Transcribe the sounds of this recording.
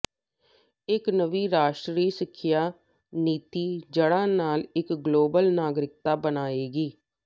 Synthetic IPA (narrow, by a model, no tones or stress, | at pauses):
ɪknəʋiːɾaːʃʈɾiːsɪkʰːjaː | niːt̪iːd͡ʒəɽãːnaːlɪkɡloːbəlnaːɡɾɪk̚t̪aːbənaːeːɡiː